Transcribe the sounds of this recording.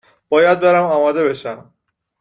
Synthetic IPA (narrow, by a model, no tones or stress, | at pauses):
b̥ɒːjæd̪̚beɾæmɒːmɒːd̪e̞be̞ʃæm